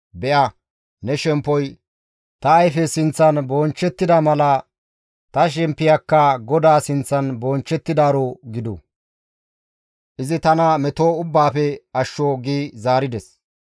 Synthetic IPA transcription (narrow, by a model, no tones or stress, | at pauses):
bɛʔɐ | nɛʃɛmpːɔj | t̪ɐːjfɛsɪnt͡sːɐnboːnt͡ʃːɛt̪ːɪd̪ɐmɐlɐ | t̪ɐʃ̬ɛmpːɪjɐkːɐɡɔd̪aːsɪnt͡sːɐnboːnt͡ʃːɛt̪ːɪd̪aːɾoɡɪd̪ṵ | ʔɪzɪt̪ɐnɐmɛt̪oːʊbːaːpɛɐʃːoːɡiːzaːɾɪd̪ɛs